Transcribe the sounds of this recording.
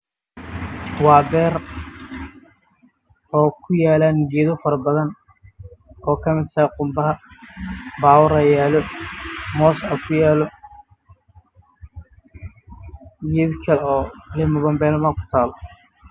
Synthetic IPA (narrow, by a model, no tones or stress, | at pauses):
wɑːbɛːr | ɔːkʰʊjaːlanɡɛːðɔfɐɾɐbɐðɐn | ɔːkʰɐmɪd̪sɐːqʊmbɐɦɐ | baːwʊɾɐjaːlɔ | mɔːsɐkʰʊjaːlɔ | ɡɛːdkʰɐlɔːlɪmɐβɐmbɛːlɐmɐkʰʊ̥t̪ʰaːlɔ